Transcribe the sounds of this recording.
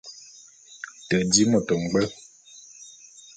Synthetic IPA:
tə˨di˦mɔ˨tɔ˨ŋ̩˨ɡ͡bɛ˦

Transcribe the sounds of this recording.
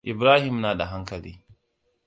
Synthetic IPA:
ʔɪ˨bɾaː˦hɪ˨mnaː˨da˨ɦa˦ŋkɐ˨lḭː˦

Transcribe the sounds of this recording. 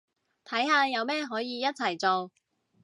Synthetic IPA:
t̪ʰɐ˨˥jɦaː˧jɐ˨˧wmɛː˥ɦɔː˨˥jiː˨˧jɐ˥t̚t͡sʰɐ˨˩jt͡so˨w

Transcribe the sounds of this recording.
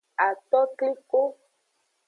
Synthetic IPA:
a˨t̪ɔ˦kli˦ko˦

